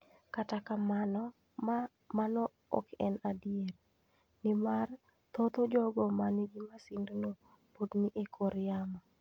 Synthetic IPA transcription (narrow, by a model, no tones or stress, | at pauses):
katakamanɔ | a | manɔ | ɔ̰kɛnadɪet | nɪmar | t̪ot̪od͡ʒɔɡɔmaniɡimasindono | podniʔekʰoɾjamɔ